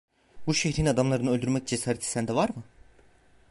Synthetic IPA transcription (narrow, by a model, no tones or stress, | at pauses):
buʃeçɾinad̪amlˠaɾɯnɯølʲd̪yɾmɛc̚d͡ʒesaːɾɛt̪ʰi̥sænd̪ɛvaɾmɯ